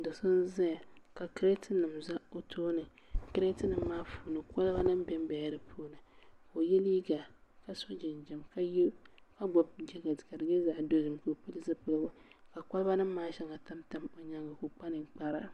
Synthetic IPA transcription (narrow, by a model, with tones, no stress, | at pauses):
dɨ˨sɨ˦n˦za˦ja˨ka˨kɾe˦tɨ˦nɨ˨mza˦o˦tʰoː˦nɨ˨kɨ˦ɾe˦tɨ˦nɨ˨m˨mːaː˦fuː˨nɨ˨ka˦lba˦nɨ˦m˦bɛ˦m˦bɛ˨ja˦ɾɨ˨pʰuː˦nɨ˨ko˨jɛ˦li˦ɡa˨ka˦so˦d͡ʒɪ˨nd͡ʒɛ˨mka˦jka˦ɡ͡bɔ˨b̚d͡ʒɛ˦ɡa˨dka˨dɨ˨ɡɛ˦za˨do˦zɨ˨mko˨pɨ˦lɨ˦zɨ˦pɨ˦lɡo˦ka˨ka˦lba˦nɨ˦mː˦aː˦ʃɛ˦ŋa˨ta˦mta˦mo˨ɲa˦ŋɡa˨ko˨k͡pa˦nɨ˨k͡pa˦ɾa̰˦˨